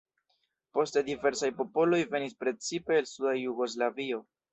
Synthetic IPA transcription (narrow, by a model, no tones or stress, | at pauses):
po̞ste̞dive̞ɾsajpo̞po̞lo̞jve̞nispɾe̞t͡sipe̞ːlsudajuɡo̞s̬lavio̞